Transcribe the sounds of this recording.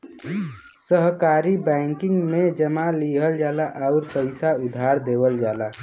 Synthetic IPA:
səɦkaːɾibɛ̃ːŋkɪ̃ŋɡmẽd͡ʒəmaliːɦəld͡ʒaːlaʔɔʊɾpəɪsaʊd̪ʱaːɾd̪eːʋəld͡ʒaːla

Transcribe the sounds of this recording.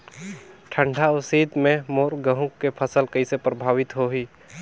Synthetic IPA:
ʈʰə̃ɳɖʱaʊsiːd̪mẽmoːɾɡəɦũkːepʰəsəlkəɪsepɾəbʱaːʋɪt̪ɦoɦiː

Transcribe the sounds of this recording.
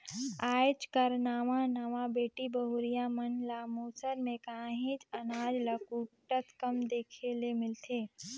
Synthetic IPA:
aːt͡ʃkəɾnaːʋãnəʋabeːʈibəɦuɾijamənlamoːsəɾmẽkaːɦĩt͡ʃɐnaːd͡ʒləkuːʈːət̪kəmd̪eːkʰelemɪlt̪ʰeː

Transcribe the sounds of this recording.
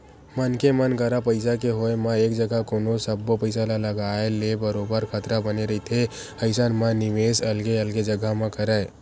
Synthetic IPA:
mənkemənkəɾapəɪsakeɦoemãeːkd͡ʒəɡakoːnosəbːopəɪsalaləɡaelebəɾoːbəɾkʰət̪ɾabəneɾəɦit̪ʰe | əɪsanmãnɪmeːsəlɡeəlɡed͡ʒəɡʱamãkəɾəe

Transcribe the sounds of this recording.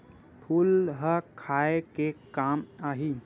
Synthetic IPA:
pʰuːlɦəkʰaekekamaːɦi

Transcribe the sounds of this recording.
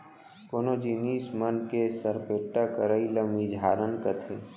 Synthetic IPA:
konod͡ʒiːniːsmənkesəɾpeːʈːakəɾəiləmid͡ʒʱaːɾənkət̪ʰe

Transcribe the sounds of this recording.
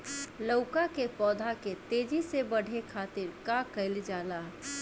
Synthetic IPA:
ləʊkakepɔːd̪ʱaket̪eːd͡ʒisebɐɽ̤ʱekʰaːt̪ɪɾkakəɪld͡ʒaːlaː

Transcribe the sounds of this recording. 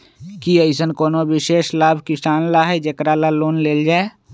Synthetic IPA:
kiəɪsənkoːnowɪʃeːʃlaːbʱkɪsaːnlaɦɛd͡ʒekɾalaloːnleːld͡ʒaːe

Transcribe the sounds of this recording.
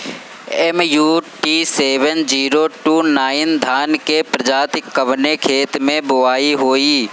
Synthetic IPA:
ɛmjuːʈiːseːʋənd͡ʒiːɾoʈuːnaːɪnd̪ʱaːnkepɾəd͡ʒaːt̪ɪkːəʋnekʰeːt̪mẽbʊʋaːiɦoːiː

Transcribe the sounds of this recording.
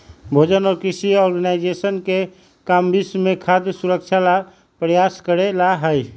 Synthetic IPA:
bʱod͡ʒənɔːɾkisiɔɾɡənajd͡ʒesənke | kambismekʰad̪suɾək̚t͡ʃʰala | pɾəjaskəɾelaɦəj

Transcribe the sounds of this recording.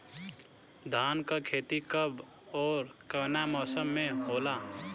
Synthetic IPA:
d̪ʱaːnkəkʰet̪ikəb | ɔːɾkənamɔsəmːeɦola

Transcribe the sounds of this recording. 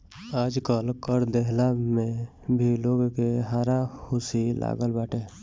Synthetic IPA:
ad͡ʒkəlkəɾd̪eɦlame | bʱiloɡkeɦaːɾahusila̰ɡəlbaʈe

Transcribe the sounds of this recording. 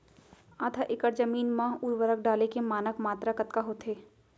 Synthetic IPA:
aːt̪ʰaʔɪkəɾd͡ʒɐmiːnmãːɦuːjʋəɾəkɖaːlekemaːnəkmaːt̪ɾakɐt̪kaɦoːt̪ʰɦeː

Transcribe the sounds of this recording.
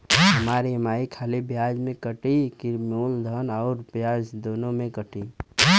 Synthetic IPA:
ɦɐmaːɾimaːikʰaːlibjaːd͡ʒmẽkəʈikɪɾmoːld̪ʱənɔːɾpjaːd͡ʒd̪oːnõmẽkəʈi

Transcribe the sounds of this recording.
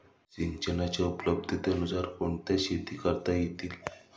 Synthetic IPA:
t͡ɕiɲt͡ɕənat͡ɕaupləb̚d̪ʱit̪eənud͡zaɾkoɳt̪jaɕet̪iːkəɾt̪ajet̪iːl

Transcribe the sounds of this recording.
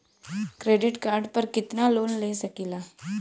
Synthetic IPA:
kɾeːɖɪʈkaːɾɖpəɾkɪt̪naloːnleːsəkiːlaː

